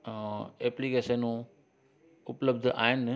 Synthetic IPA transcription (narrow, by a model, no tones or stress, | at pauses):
eːplikeːʃənũ | ʊpləb̚d̪ʱʔa̰ːɦɪn